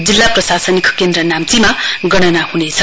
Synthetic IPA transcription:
d͡zilːaprʌsasʌnikʰʌ̥kend̪ɾʌnamt͡simaɡʌɽ̃ʌnahunet͡sʰʌ

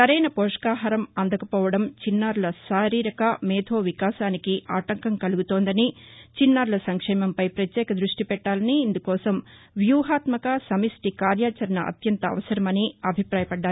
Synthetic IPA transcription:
sɐɾɛjnɐpɔːʂkaːɦɐɾɐmɐnd̪ɐkɐpɔːʋɐɽɐmt͡ʃinːaːɾulɐsaːɾiːɾɐkɐmɛːd̪ʰʱoːʋikaːʃaːnikiʔaːʈɐŋkɐŋkɐluɡut̪oːnd̪ɐnit͡ʃinːaːɾulɐsɐŋkʂɛːmɐmpɐjpɾɐt̪jɛːkɐd̪ɾuʂʈipɛʈːaːlɐniːnd̪ukɔːsɐm | ʋjuːɦaːt̪mɐkɐsɐmisʈikaːɾjaːt͡ʃɐɾɐnɐʔɐ̰t̪jɐnt̪ɐɐ̰ʋɐsɐɾɐmɐniɐbʱipɾaːjɐpɐɖːaː

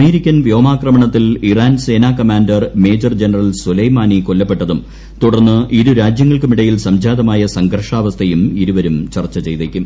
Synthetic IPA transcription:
ɐmeːɾikʲːɐnʋjo̞ːmaːkrɐmɐɳɐt̪ːiliraːnse̞ːnaːkɐmaːndɐrme̞ːd͡ʑɐrd͡ʑenɐrɐlsulɐjmaːnikolːɐpːe̞ʈːɐðum | t̪uɽɐrnːɨʔiɾuɾaːd͡ʑjɐŋːɐɭkɨmiɽɐjilsɐmd͡ʑaːðɐmaːjɐsɐŋɡɐrʂaːʋɐst̪ʰɐjumiɾuʋɐɾumt͡ɕɐrt͡ɕːɐt͡ɕe̞jt̪eːkʲːum

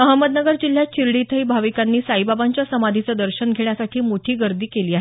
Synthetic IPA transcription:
məɦəmːəd̪nəɡəɾd͡ʑil̤ːjat͡ɕiɾɽit̪ʰəibʱaʋikanːiːsajbabaɲt͡ɕjasəmad̪ʱit͡səd̪əɾɕənɡʱeɳ̃jasaʈʰiːmoʈʰiːɡəɾd̪iːkeliːaɦe

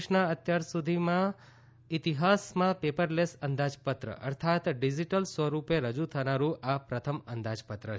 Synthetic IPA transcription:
ʃnaət̪jaɾsud̪ʱimã | it̪iɦasmãpepəɾlesənd̪ad͡ʒpət̪ɾə̰ʔə̰ɾt̪ʰat̪ɖid͡ʒiʈəlsʋəɾupeɾəd͡ʒut̪ʰənaɾũʔapɾət̪ʰəmənd̪ad͡ʒpət̪ɾə

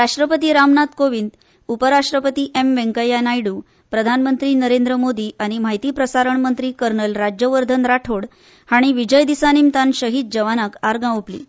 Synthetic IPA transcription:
ɾaʂʈɾəpət̪iːɾamnat̪koʋind̪ | upəɾaʂʈɾəpət̪iːʔemʋẽŋkəjanajɽuː | pɾəd̪ʱanmənt̪ɾiːnəɾend̪ɾəmod̪iːaɽ̃im̤aɦit̪iːpɾəsaɾəɳmənt̪ɾiːkəɾɳəlɾad͡ʑjəʋəɾd̪ʱənɾaʈʰoɽ | haɽ̃iʋid͡ʑəjd̪isanimt̪anɕəɦiːt̪̚d͡ʑəʋanakaɾɡãʋuplḭː

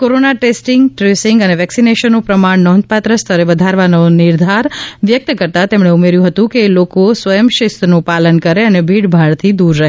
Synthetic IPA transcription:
koɾonaʈesʈɪŋɡʈɾesɪŋɡəneʋɛksineʃənːupɾəmaɳnɔ̃nd̪̚pat̪ɾəst̪ʰəɾeʋəd̪ʱaɾʋanonɪɾd̪ʱaɾʋjək̚t̪əkəɾt̪at̪emɳeumeɾjũɦət̪ũkeːlokosʋəjəmʃɪst̪nũpalənkəɾeənebʱiɽbʱaɭt̪ʰid̪uɾːəɦ

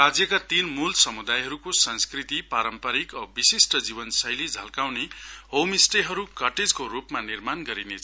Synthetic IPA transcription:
rad͡zjʌkat̪inmulsʌmud̪ajɦʌɾukosʌnskrit̪ipaɾʌmpʌɾikʌbisisʈʌd͡zibʌnsʌjlid͡zʱʌlkawnehomisʈeɦʌɾukʌrʈed͡zkoɾupmanirmanɡʌɾinet͡sʰʌ

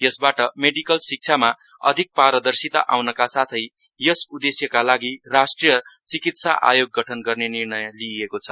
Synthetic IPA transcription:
jʌsbaʈʌmeɖikʌlsik̚t͡sʰama | ʌ̰d̪ʱik̚paɾʌd̪ʌrsit̪a̰ʔa̰wnʌkasat̪ʰʌjjʌsud̪esjʌkalaɡirasʈrijʌt͡sikit̪sa̰ʔa̰joɡːʌʈʰʌnɡʌrnenirnʌjliekot͡sʰʌ

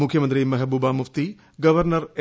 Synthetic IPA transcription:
mukʰjɐmɐnt̪ɾimɐɦɐbuːbaːmuft̪i | ɡɐʋɐɾnɐɾe

